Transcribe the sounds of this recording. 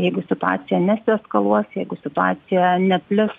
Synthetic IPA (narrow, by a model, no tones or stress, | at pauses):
jɛɪɡʊsʲɪt̪ʊɑ̰ːsʲɪjɛnʲɛsʲɪskɐlˠuɔsjɛɪɡʊsʲɪt̪ʊɑ̰ːɪjɛnʲɛpʲlʲɪs